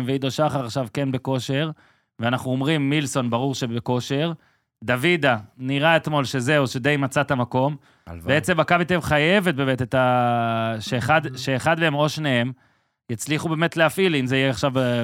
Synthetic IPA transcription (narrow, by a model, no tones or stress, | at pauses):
mveid̪oʃaχaʁaχʃavkenbe̞ko̞ʃe̞ʁ | veanaχnuomʁimːilso̞nbaʁuʁʃebeko̞ʃe̞ʁ | d̪avid̪aniʁaet̪mo̞lʃe̞zeuʃed̪e̞jmat͡sat̪amako̞m | vbeet͡se̞makabit̪evχaje̞vet̚be̞ːmet̪et̪a | ʃeːχad̪ʃeːχad̪meemo̞ʃnehem | jat͡sliχube̞ːmet̪leafʔilimzeijeaχʃav